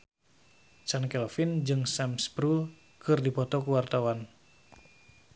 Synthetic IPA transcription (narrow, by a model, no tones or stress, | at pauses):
t͡ʃankɛlfind͡ʒɨŋsamspɾul | kɨrdipɔt̪ɔkuwart̪awan